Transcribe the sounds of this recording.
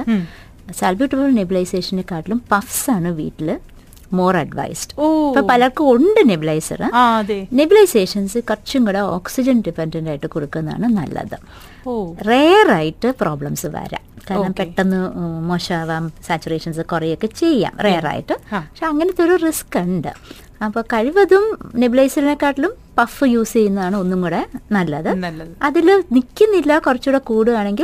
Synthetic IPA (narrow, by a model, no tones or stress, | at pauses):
ɨ | salbjuʈːɐbɐlnibilɐjseːʂɐnlekːaːʈːilumpɐfsaːɳɨʋḭːtːil | mo̞ːrɐɖʋɐ̰jsɖɨ̥oipːopɐlɐɭkɨoɳɖɨnebilɐjsɐ̰rɨaðenibilɐjse̞ːʂɐnsɨkɐrt͡ɕuŋɡuɽɐo̰ːksid͡ʑɐnɖipːendɐndaːjiʈːɨkoɽukːunːða̰ːɳɨnɐ̰lːɐ̰ðɨ̰ | oreːraːjiʈːɨpro̞ːbɭɐmsɨʋɐ̰ːɾa̰ːmkaːɾnɐmpeʈːɐnːɨmoːɕaːʋaːmsaːt͡ɕːureːʂɐnsɨkurɐjo̞kːe̞t͡ɕe̞jːa̰ːmreːra̰ːjḭʈːɨpɐkʂeɐŋːɐnet̪ːo̞ɾuriskːɐɳɖɨ̰ | ɐpːoːkɐɻiʋɐðumnebilɐjsilnekːaːʈːilum | pɐfɨjuːst͡ɕe̞jːunːɐðaːɳɨo̞nːuŋɡuɽenɐlːɐðɨnːɐðilnikʲːunːilːɐkurɐt͡ɕːuɽekuːɽuaːɳe̞ŋɡil